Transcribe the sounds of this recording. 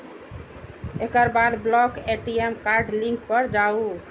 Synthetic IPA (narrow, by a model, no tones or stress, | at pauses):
ekəɾbad̪blɔkeʈiemkaɾɖlĩŋk̚pəɾd͡ʒau